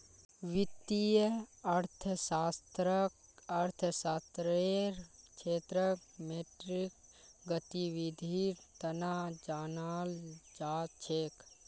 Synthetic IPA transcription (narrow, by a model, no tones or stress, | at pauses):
ʋɪt̪ijəɐɾt̪ʰəsaːst̪ɾəɐɾt̪ʰəsaːst̪ɾeɾt͡ʃʰeːt̪ɾəmeːʈɾik̚ɡət̪iʋid̪ʱiiɾt̪ɐnad͡ʒaːnaːld͡ʒaːt͡ʃʰeːk